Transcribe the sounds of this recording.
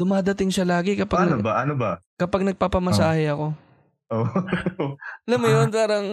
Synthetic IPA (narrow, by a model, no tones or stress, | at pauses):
d̪ʊmaːd̪ɐt̪ɪŋʃɐlaːɡɪkɐpaɡnnobɐʔɐnobɐkɐpɐɡ̚nɐɡ̚papɐmɐsaːhɛɐko̞ | ʔo | ɐlɐmʊjonpaːɾɐŋ